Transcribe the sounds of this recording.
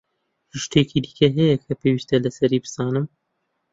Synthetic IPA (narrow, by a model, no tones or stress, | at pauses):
hɨʃt̪eːkʰid̪i̥kʰɐɦɛjɛkʰɐpʰewist̪ɐlɐsɐɾiːbɨ̥sɑːnɨm